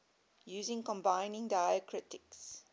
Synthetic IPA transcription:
juːzɪ̃ŋkɔ̃mbãɪnɪ̃ŋdaɪəkʰɹɪtɪks

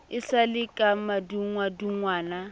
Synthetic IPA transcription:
ɪsalɪkʼamaduŋwaduŋwaːna

